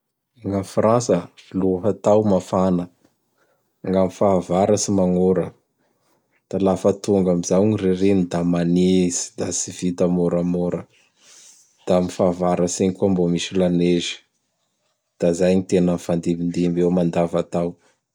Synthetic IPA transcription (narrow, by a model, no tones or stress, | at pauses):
aŋɡamfransəiluɦat̪awmafanə | aŋɡamifaːvaɾəsimaŋoɾə | d̪̥alafət̪uŋɡamizawɲireɾinid̪amanizi̥d̪asivit̪amoɾamoɾə | d̪̥amifaːvaɾasiɲikuambomisilanezi̥ | d̪̥azajɲit̪enəfand̪ibind̪imbemand̪avat̪aw